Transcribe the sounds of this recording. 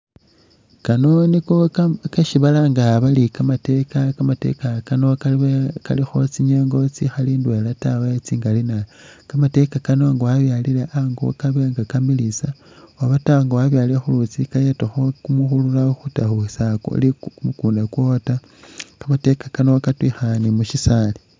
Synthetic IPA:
kano̞nikokeʃiβalaŋɡaβalikamate̞kakamate̞̰kakanoka̰lixot͡siɲeŋɡot͡sixaliːndwelatawaet͡siːŋɡalinakamate̞kakano̞ŋɡawaβjalilaʔaŋɡo̰kaβeŋɡakambilisa | waβataŋɡawaβjaliexulut͡sikajetoxokumuxululaxutaxusako̰likumukuːndakwo̞ta | kamate̞kḁkanokatwixanimuʃisali̥

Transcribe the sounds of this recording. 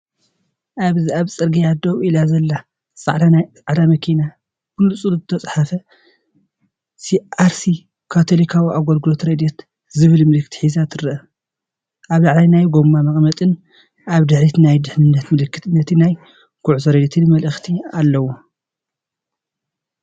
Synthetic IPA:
ʔaβziaβt͡sʼɨɾɡijad̪owilazɐlːa | sʼa̰ʕd̪anajsʼaʕd̪amɐkʰina | kʰulːusʼuluzɨt̪ʰɐsʼħafɐ | siʔaɾsi | kʰat̪ʰo̞likʰawiʔaɡolɡɨlot̪ɾed̪ɛt̪ | zɨβɨlmɨlɨkʰːt̪i̥ħizat̪ʰɨɾɨʔɐ | ʔaβlaʕlajnajɡomːamɐχʼmɐt̪ʼɨn | ʔaβd̪ɨħɾit̪najd̪ɨħnɨnːɐt̪mɨlɨkːɨt̪ɨnːɐt̪ʰinaj | kʰuʕuzɐɾed̪et̪ʰɨnmɐlʔɨxt̪ʰialːɐwu

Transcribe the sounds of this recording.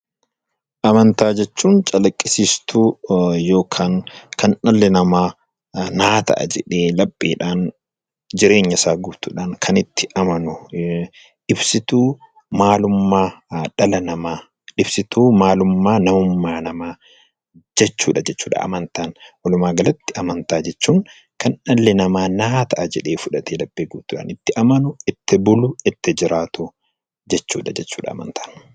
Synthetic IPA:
ʔɐmɐnt̪aːd͡ʒɛt͡ʃːuːnt͡ʃʼɐlɐkʼːɪsist̪ʰujo̞ːkʰaːŋkʰɐnʔɐlːɛnɐmaː | naːt̪ɐ̰ʔɐ̰d͡ʒɛᶑeːlɐpʼːiːᶑaːn | d͡ʒɪɾe̞ːɲːɐsaːɡuːt̪ʊᶑaːnkʰɐnɪt̪ːɪʔɐmɐnʊ | ᶑɪbsɪt̪uː | maːlʊmːaːᶑɐlɐnɐmaː | ᶑɪbsɪt̪uːmaːlʊmːaːnɐmʊmːaːnɐmaː | d͡ʒɛt͡ʃːuːᶑɐd͡ʒɛt͡ʃːuːᶑɐ̰ʔɐ̰mɐnt̪aːnʔɔlʊmaːɡɐlɐt̪ːɪʔɐmɐnt̪aːd͡ʒɛt͡ʃːuːŋ | kɐnᶑɐlːɛnɐmaːnaːt̪ʰɐʔad͡ʒɛᶑe̞ːfʊᶑɐt̪ʰeːlɐbːeːɡuːt̪ːʊːᶑa̰ːnɪt̪ːɪʔɐmɐnʊɪt̪ːɪbʊlʊɪt̪ːɪd͡ʒɪɾʔaːt̪ʊ | d͡ʒɛt͡ʃːuːᶑɐd͡ʒɛt͡ʃːuːᶑɐ̰ɐ̰mɐ̰nt̪ḁːn

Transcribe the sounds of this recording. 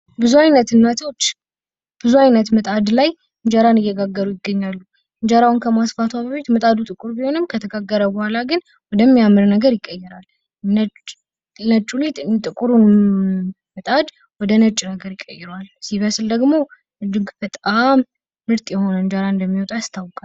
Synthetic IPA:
bɨzuajnət̪ɨnːat̪ʰot͡ʃː | b̥ɨzuajnət̪mət̪ʼad̪laj | ɨɲd͡ʒaɾanɨjːɛɡaɡːəɾujɪɡːəɲːalːu | ɨnd͡ʒaɾawnkʰəmasfat̪ʰwabəβet̪mət̪ʼad̪ut̪ʼɨkʼuɾbiho̞nɨmkʰət̪ʰəɡaɡːəɾəbuhalaɡɨn | wɔd̪əmːijamːɨɾnəɡəɾjɪkʼːəjːɛɾal | n | nət͡ʃʼulit̪t̪ʼɨkʼuɾun | mət̪ʼad̪ | wɔd̪ənət͡ʃʼːnəɡəɾjɪkʼːəjːɪɾwalsiβəsld̪əɡmo̞ | ʔɨd͡ʒɨɡbət̪ʼamː | ɨɾt̪ʼjɛho̞nəɨnd͡ʒaɾand̪əmːiwɔt̪ʼast̪ʰawkʼa

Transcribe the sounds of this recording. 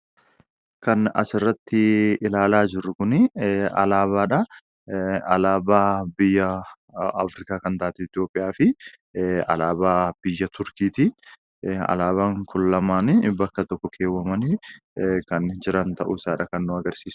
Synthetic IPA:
kɐnɐ̰sɪrːɐt̪ːɪɪlaːlaːd͡ʒɪrːʊkʊnɪɐ̰laːβaːᶑɐ | ɐlaːbaːbɪjːɐ | ɐfɾɪkaːkɐnt̪aːɐt̪ɪɪt̪jo̞ːpʼːɪjaːfɪ | ɐ̰laːbaːb̥ɪjːɐt̪ʊɾkiːt̪ɪ | ɐ̰laːβaːŋkʰʊlːɐmaːnɪbɐkːɐt̪ɔkːɔkʰeːwːɐmɐnɪ | kɐnd͡ʒɪɾɐnt̪ɐʔʊɪsaːᶑɐkɐnːʊɐɡɐɾsiːs

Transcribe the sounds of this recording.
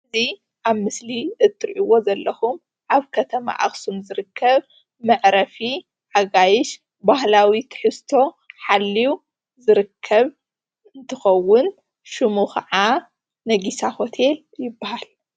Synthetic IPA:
ɨzi | ʔaβmɨsliʔɨt̪ʰːɨɾʔiwo̞zɐlːɐxum | ʔaβkʰɐt̪ʰɐma̰ʔa̰xsumzɨɾɨkʰːɐβ | mɐʕɾɐfi | ʕaɡajɪʃ | bahlawit̪ʰɨ̥ħɨst̪ʰo̞ | ħalːiu | zɨɾɨkʰːɐβ | ɨnt̪ʰɨxɐwːʊn | ʃɨmuxɐ̰ʕa | nɐɡisaho̞t̪ʰe̞l | jɪbːahal

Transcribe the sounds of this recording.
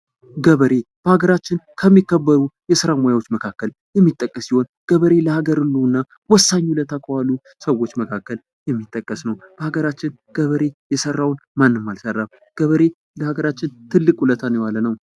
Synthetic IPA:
ɡəβəɾe̞b̥əhaɡəɾat͡ʃːɪnkʰəmːikːəbːəɾujɛsɨɾamojawo̞t͡ʃːməkʰakːəl | jɛmːit̪ʼːəkʼːəsːiho̞n | ɡ̥əβəɾe̞ləhaɡəɾɨlːuɨnːa | wɔsːaɲːulət̪ʰakʰəwalu | səwːo̞t͡ʃːməkʰakːəl | jɛmːit̪ʼːəkʼːəsnəwb̥əhaɡəɾat͡ʃːɪn | ɡ̥əβəɾe̞jɛsərːawnmanːɨmːalsərːam | ɡ̥əβəɾe̞ | ləhaɡəɾat͡ʃːɪnt̪ʰɨlːɨkʼulət̪ʰanəwalːənəw

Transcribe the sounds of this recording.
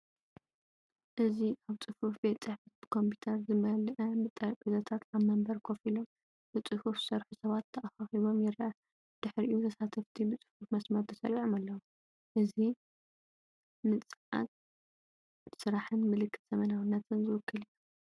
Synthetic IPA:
ʔɨziʔaβt͡sʼɨfufbe̞t̪t͡sʼɨħfɐt̪̚bɨkʰo̞mpʰi̥t̪ʰɐɾzɨmɐlʔɐmɨt̪ʼːɐɾkʼɨzɐt̪ʰat̪aβmɐmbɐɾkʰo̞filo̞m | b̥ɨt͡sʼɨhufzɨsɐɾħusɐβat̪ʰːɐʔaxaxiβo̞mjɪɾɐʔa | d̪̥ɨħɾʔijut̪ʰɐsat̪ʰɐft̪ʰibɨt͡sʼɨ̥fufmɐsmɐɾt̪ʰɨsɐ̰ɾiʕomalːɐwu | ʔɨzi | mɨt͡sʼɨʕa̰t̪̚ | sɨɾaħɨnmɨlɨkʰːɨ̥t̪z̥ɐmɐnawɨnːat̪ʰɨnzɨwɨkʰːɨlijːu

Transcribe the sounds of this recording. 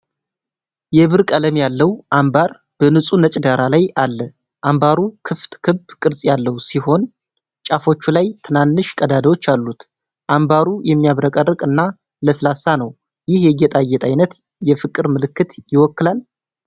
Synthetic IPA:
jɛβɨɾkʼələmjalːəwʔambaɾ | b̥ənɨsʼunət͡ʃʼd̪aɾalajalːə | ʔambaɾukʰɨft̪kʰɨbkʼɨɾsʼjalːəwsiho̞n | t͡ʃʼafo̞t͡ʃːulajt̪ʰɨnanːɨʃkʼəd̪ad̪əwo̞t͡ʃːalːut̪ | ʔambaɾujɛmːijaβɾəkʼərːɨkʼɨnːa | ləsɨlasːanəw | jɪhjɛjːɛt̪ʼajːɛt̪ʰʼajnət̪ | jɛfɨkʼːɨɾmɨlɨkːɨt̪jɪwɔkːɨlal

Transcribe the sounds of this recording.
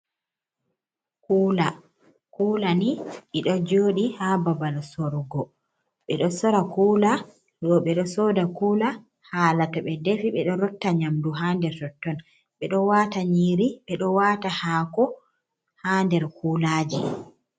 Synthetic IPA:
kuːla | kuːlaniɗiɗɔd͡ʒoːɗihababalsɔɾɡɔ | ɓɛɗɔsɔɾakuːla | ɗɔɓɛɗɔsɔːdakuːla | haːlatɔɓɛdefiɓɛɗɔɾɔtːaɲamduɦaːndɛɾtɔtːɔn | ɓɛɗɔwataɲiɾiɓɛɗɔwaːtahaːkɔ | handɛɾkulaːd͡ʒi

